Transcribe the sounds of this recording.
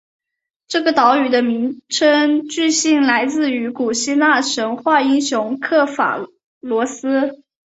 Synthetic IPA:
ʈ͡ʂɤ˥˩ɡə˩t̪ɑ˧˥ʊy˨˩d̪ə˦mi˧˥ŋʈ͡ʂʰə˥ŋt͡ɕy˥˧ɕi˥˩ŋla˧˥ɪt͡sɹ̩˥˩y˧˥ku˨˩ɕi˥na˥˩ʂə˧˥ŋxwa˥˩i˥ŋɕjʊ˧˥ŋkʰɤ˥˩fa̰˨˩ | lwɔ˧˥sɹ̩˥

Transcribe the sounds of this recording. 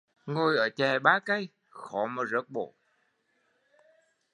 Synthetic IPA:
ŋo˧jʔəː˧˩t͡ɕɛ˨˩ɓaː˨˦ka˧˦j | xɔ˧˩˦maː˨˩zə̰˧˨˥k̚ɓo̰˧˩˨

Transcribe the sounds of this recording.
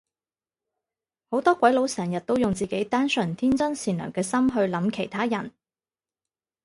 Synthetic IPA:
ho˨˥wt̪ɔː˥kʷɐ˨˥jlo˨˧wsɛː˨˩ŋjɐ˨t̚t̪ːo˥wjʊ˨ŋt͡siː˨ke˨˥jt̪aː˥nsɵ˨˩nt̪ʰiː˥nt͡sɐ˥nsiː˨˩nlœ̰ː˨˩ŋkɛː˧sɐ˥mɦɵ˧ɥlɐ˨˧˥mkʰe˨˩jt̪ʰaː˥jɐ˨˩n

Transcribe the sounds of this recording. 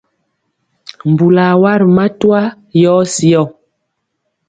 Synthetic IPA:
m̩˨bu˨la˨wa˦ɾma˦twa˦ | jɔː˦si˦ɔ˦˨

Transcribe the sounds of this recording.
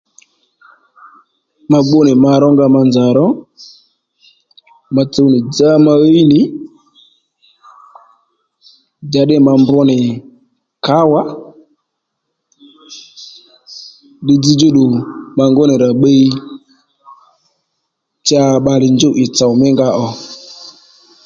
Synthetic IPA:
ma˧ɡ͡bʊ˦nɪ˨ma˧ɾɔ˦ŋɡa˧ma˧nd͡ʒa˨ɾɔ˦ | ma˨t͡so˨wnɪ˨d͡za˦ma˧we˦i˦nɪ˨˦ | d͡ʒa˨ɗɪ˦˨ma˧mbɔ˦nɪ˨ | ka˦wa˦ | ɗɪ˦d͡zi˦d͡ʒo˦ɗʊ˨ma˧ŋɡʊ˦nɪ˨ɾa˨ɓe˦i˦ | t͡ʃa˧˦˨ɓa˧lɪ˨nd͡ʒʊ˦ʔɪ˨t͡sa˨wmɪ˦ŋɡa˧ʔɔ˧

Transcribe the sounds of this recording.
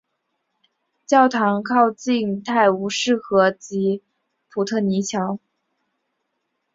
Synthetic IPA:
t͡ɕjɑ˥˩ʊt̪ʰɑ˧˥ŋkʰɑ˥˧ʊt͡ɕi˥˧ŋt̪ʰa˥˩ɪu˧˥ʂɻ̩˥˩xɤ˧˥t͡ɕi˧˥ | pʰu˧˩t̪ʰɤ˥˩ni˧˥t͡ɕʰjɑ˧˥ʊ

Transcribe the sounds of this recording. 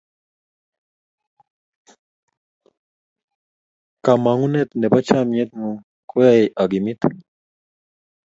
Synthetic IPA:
ka˨ma˨ŋu˦nɛ˦t̪nɛ˨pa˦t͡ʃa˦mɛ˦t̪̚nu˨ | kwa˦ʔa˨ɡi˨mi˦t̪

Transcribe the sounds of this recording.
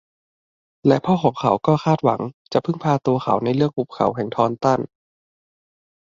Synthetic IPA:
lɛ˦˥ʔpʰɔː˧˥˩xʰɔː˨˦ŋkʰa˨˩˦wkɔː˥˩xʰaː˥˩t̪̚wa̰˩˦ŋt͡ɕa˨˩ʔpʰɯ˥˩ŋpʰaː˧t̪u˧ɐxʰa̰˨˩˦wna˧jlɯ˥˩ək̚ʔu˨˩p̚kʰa̰˨˩˦wɦʰɛː˨˩˦ŋt̪ʰɔː˧nt̪a˥˩n

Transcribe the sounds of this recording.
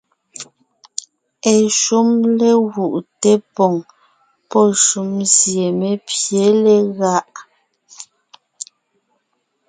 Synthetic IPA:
ɛ˨ʃu˦mlɛ˦ɣu˨ʔtɛ˦pɔ˨ŋ | pɔ˦ʃu˨˦mzje˨me˦pje˨˦lɛ˦ɣa˦ʔ

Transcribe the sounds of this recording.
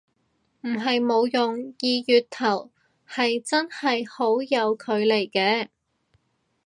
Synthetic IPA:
m̩˨˩ɦɐ˨jmo˨˧wjʊ˨ŋjiː˨jyː˨t̚t̪ʰɐ˨˩w | hɐ˨jt͡sɐ˥nhɐ˨jho˨˥wjɐ˨˧wkʰɵ˨˧ɥle˨˩jkɛː˧

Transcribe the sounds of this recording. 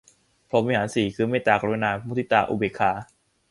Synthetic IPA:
pʰo˧˦˥m˧e˧haː˩˦nsiː˨˩kʰɯː˧˩meː˧˩t̪aː˧˩ka˧˦u˦naː˧u˧˦˩t̪ʰi˦˩t̪aː˧ʔṵ˧be˨˩kʰːaː˧

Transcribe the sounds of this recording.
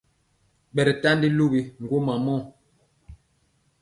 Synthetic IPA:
ɓɛ˨ɾɛ˨ta˦ndi˦lu˦bi˨ŋ̩˨ɡwo˦ma˨mɔ˦˨

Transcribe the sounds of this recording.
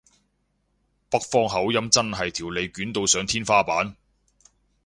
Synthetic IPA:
pɐ˥k̚fɔː˥ŋɦɐ˨˥wjɐ˥mt͡sɐ˥nɦɐ˨jt̪ʰiː˨˩wle˨˧jkyː˨˥nt̪o˧wsœː˨˥ŋt̪ʰiː˥nfaː˥paː˨˥n

